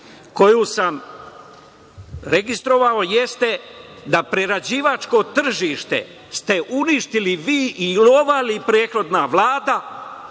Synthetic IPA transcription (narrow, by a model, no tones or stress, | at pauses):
ko̞juːsam | ɾe̞ɡist̪ɾo̞ʋao̞je̞st̪e̞ | d̪apɾe̞ɾad͡ʑiːʋat͡ʃko̞t̪r̩ʒiːʃt̪e̞̰ | st̪e̞ʔuniʃt̪iliʋiːʔilo̞ʋalipɾeːxɾo̞d̪naʋlaːd̪a